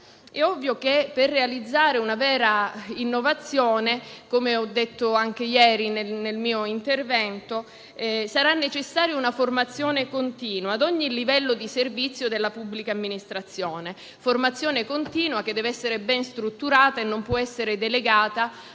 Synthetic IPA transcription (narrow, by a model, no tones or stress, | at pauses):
ɛɔvːjokepːerːealid̪zːaːɾeunavɛːɾainːovat̪sːjɔːnekomeɔd̪ːet̪ːoaŋk̟ejɛːɾinenelmiːoint̪ervɛnt̪o | ɛsaɾanːet͡ʃesːaːɾjounaformat̪sːjɔːnekont̪iːnwaːd̪ɔɲːilːivɛlːod̪iservit̪sːjod̪elːapubːlikaːmːinist̪ɾat̪sːjɔːne | format̪sːjɔːnekont̪iːnwak̟ed̪ɛveɛsːeɾebɛnst̪ɾut̪ːuɾaːt̪aenːompwɔɛsːeɾed̪eleɡaːt̪a